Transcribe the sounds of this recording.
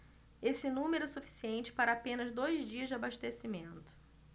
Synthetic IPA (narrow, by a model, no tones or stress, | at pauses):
esɪnũmeɾʊɛsufi̥siẽnt͡ʃɪ̥paɾɐapẽnɐzd̪ojzd͡ʒiɐzd͡ʒɪabaʃt̪esimẽnt̪ʊ̥